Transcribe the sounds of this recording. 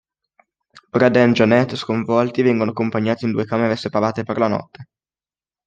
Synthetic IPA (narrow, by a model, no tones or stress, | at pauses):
bɾad̪ɛnd͡ʒanɛt̪ːskoɱvɔlt̪ivɛŋɡonoakompaɲːaːt̪ind̪uekaːmeɾesepavaːt̪eperlanɔ̰t̪ːe̥